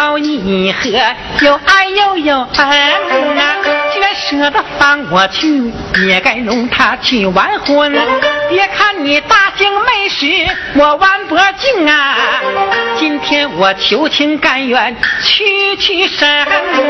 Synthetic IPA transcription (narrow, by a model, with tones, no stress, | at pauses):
ɑ˧ʊni˧˩i˨˩xɤ˧˥ | jo˨˩ʊʔa˥˧ɪjo˥˩ʊjo˨˩ʊa˧˥˧na˧˩t͡ɕɛ˥˧˥ʂɤ˧˥d̪ə˧fa˧˥nwɔ˨˩t͡ɕʰy˥˩ | jɛ˨˩ka˥˩ɪnʊ˧˥ŋt̪ʰa˥t͡ɕʰy˥˩wa˧˥nxwə˧˥npjɛ˧˥kʰa˥˩nni˨˩t̪a˥˧˩t͡ɕi˥ŋme˥˩ɪʂɻ̩˧˥ | wɔ˨˩wa˧˥npɔ˧˥t͡ɕi˥˩ŋa˧ | t͡ɕi˥nt̪ʰjɛ˥nwɔ˨˩t͡ɕʰjo˧˥ʊt͡ɕʰi˥ŋka˥˧˩nɥɛ˨˩nt͡ɕʰy˥˧t͡ɕʰy˥˧ʂə˧˥n